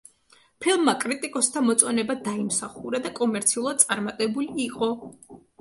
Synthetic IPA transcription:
pʰilˠmːakʼɾit̪ʼikʼɔst̪ʰamɔt̪sʼɔnɛbad̪aimsaχuɾad̪akʼɔmɛɾt̪sʰiulˠad̪̚t̪ʼaɾmat̪ʼɛbuliːqʼɔ

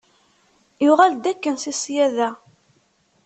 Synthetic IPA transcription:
jʊʁæld̪ækːənsisjæðæ

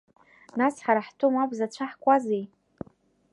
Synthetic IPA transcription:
nasħaɾaħtʰʼomabʷzat͡ɕʷʰaħkʷʼazej

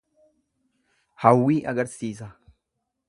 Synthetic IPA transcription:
hɐwːiːʔɐɡɐɾsiːsɐ

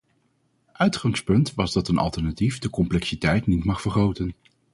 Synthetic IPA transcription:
ʔœɥtχɑŋspɵntʋɑzdɑtənʔɑ̰lˠtɛɹnatifdəkɔmplɛksitɛjtnitmɑχfəɹχowtən

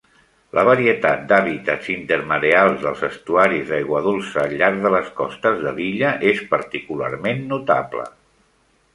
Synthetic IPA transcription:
ləβəɾiət̪at̪̚d̪aβit̪ətzint̪əɾməɾealˠzðəlˠzəst̪uaɾizðajɣwəðulˠsəːʎaɾɡðələskɔst̪əzðəliʎəʔespəɾt̪ikula̰rmenːut̪aplə̰

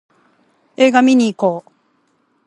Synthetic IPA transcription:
eɡaminiko

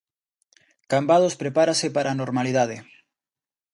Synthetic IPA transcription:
kambaðospɾepaɾasepaɾʔaːnoɾmaliðað̞e

